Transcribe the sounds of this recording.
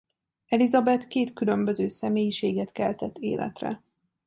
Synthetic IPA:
ɛlizɒbɛt̪keːt̪kylø̞mbøzøːsɛmeːjiʃeːɡɛt̪kɛlt̪ɛt̪ːḛːlʔɛ̰t̪rɛ̰

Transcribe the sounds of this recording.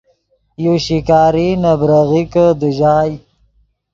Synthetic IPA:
joʃikɑːɾinabɾaɣikəd̪əʒɑːj

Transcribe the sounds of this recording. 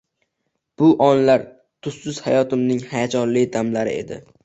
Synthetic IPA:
b̥ʊʔɒnlaɾ | t̪ʰʊsːʊz̥hajɒt̪ɪmnɪŋhajat͡ʃʰɒɾlɪd̪amlaɾɪ̰e̞̰d̪ɪ̰

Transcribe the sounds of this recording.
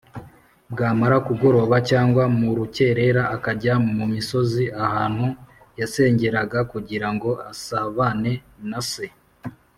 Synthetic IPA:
bɡaːmaɾakuɡo̞ɾo̞βacaːŋɡwamuɾuce̞ɾe̞ɾaʔːkaɾɟammumiso̞ziʔahaːn̥hu | jase̞ːɲɟe̞ɾaɡakuɟiɾaŋɡo̞ʔasaβane̞nase̞

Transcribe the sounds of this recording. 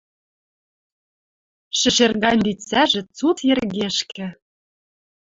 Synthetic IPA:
ʃɘ̆ʃerɣɑnʲd̪it͡sæʒĕt͡sut̪jĕrɣeʃkɘ̆

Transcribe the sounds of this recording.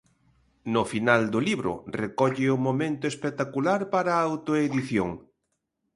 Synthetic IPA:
nʊfinald̪ʊliβɾʊ̰rekɔʎɪʊmomẽnt̪ʊespet̪akulaɾpaɾaawt̪oeðiθjoŋ

